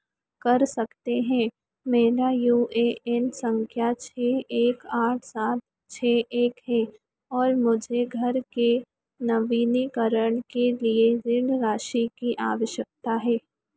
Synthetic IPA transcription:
kɐɾsɐkt̪eɦɛ̃ | meːɾajuːeɛnsə̃ŋkʰjat͡ʃʰɛːeːkaːʈʰsaːt̪̚ | t͡ʃʰɛːeːkɦɛ | ɔːɾmʊd͡ʒʱeɡʱɐɾke | nɐʋiːnikɐɾəɳ̃kelieɾɪɳɾaːʃikiʔaːʋəʃjək̚t̪aɦɛː

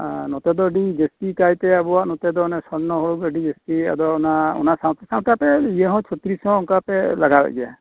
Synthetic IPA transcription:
nɔt̪ɛd̪ɔɖid͡ʒesʈikajt̪ɛabuwaʔnɔt̪ɛd̪ɔnɛsɔɽnɔɦɔɡəɖid͡ʒesʈia̰d̪ɔunaɔ̰nasaw̃t̪asaw̃ʈapɛijɛɦɔ̃t͡ʃʰɔt̪ɾishɔ̃ɔŋkapɛlaɡala̰ʔɡa

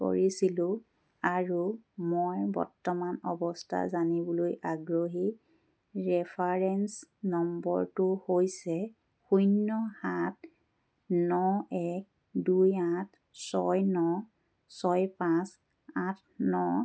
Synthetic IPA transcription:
ko̰ɹisilʊ̃ | aɹumojbɔ̰ɹtːɔmanɔ̰bɔstʰa̰zanibɔlojaɡɹoɦi | ɹɛpʰaɹɛnsnɔmbɔ̰ɹtuhojsɛ | xujnːɔhat̚ | nɔɛk̚ | dujat | sɔjnɔ | sɔjpãs | atʰnɔ

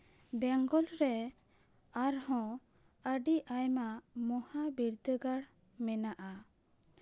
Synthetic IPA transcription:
bɛŋɡɔlɾɛ | aɾhɔ̃ | əɖiʔajmamɔhabiɾd̪əɡaɽ | mɛnaʔa

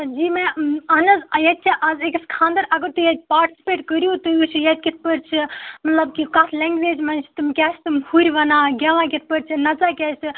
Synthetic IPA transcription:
d͡ʒiːmɛ̃ɐnɐzɐjɐt̪̚ʲt͡ʃʰiʔɐzekɐskʰãːnd̪əɾɐɡəɾt̪ujɐt̪̚ʲpaːɾʈi̥si̥peːʈkəɾʲijot̪ujut͡ʃʰjɐt̪̚ʲkʲit̪̚ʰpəɾt͡ʃʰimɐt̪lɐbkikaːt̪ʰlɛːŋɡʋeːd͡ʒmɐnt͡ʃʰt̪umkʲaːsʰt̪umhuɾʲʋɐnaːɡʲɐʋãkit̪̚ʰpəɾt͡ʃʰinɐt͡saːkʲasʲɨ

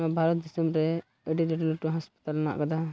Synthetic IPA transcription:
abʱaɾɔt̪̚d̪isimɾɛ | əɖiɾɛʈiluʈuɦaspḁt̪alna̰ʔkad̪a

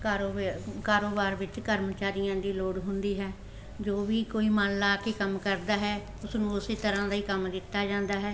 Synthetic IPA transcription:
kaɾokaːɾoːbaːɾʋɪt͡ʃkəɾmət͡ʃaːɾɪjãːd̪iːloːɽɦʊnd̪iːɦɛː | d͡ʒoːʋiːkoːiːmanlaːkeːkəmkəɾd̪aːɦɛː | ʊsnũːʊseːt̪əɾãːd̪aːiːkəmd̪ɪt̪ːaːd͡ʒãːnd̪aːɦɛː

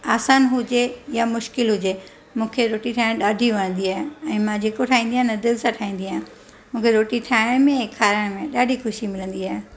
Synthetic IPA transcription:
aːsaːnɦʊd͡ʑejamʊʃkɪlɦʊd͡ʑe | mũːkʰeɾoːʈiʈʰaːɪ̃ɽ̃ɗaːɖʱiɐnə̃n̆d̪iaːɦeɛ̃ːmãd͡ʑeːkoʈʰaːĩːnd̪iaːɦenɐd̪ɪlsãʈʰaːĩːnd̪iaːɦ | mũːkʰeɾoːʈiʈʰaːɪɽ̃mẽkʰaːɾəɽ̃mẽɗaːɖʱixʊʃimɪlə̃nd̪iaːɦe

